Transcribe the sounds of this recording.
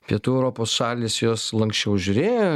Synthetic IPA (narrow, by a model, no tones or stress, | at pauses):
pʲiɛt̪uːɛʊɾoːpoːsʃɑːlʲiːsjoːslˠɐŋksʲt͡ʃʲɛʊʒʲʊɾʲeːjo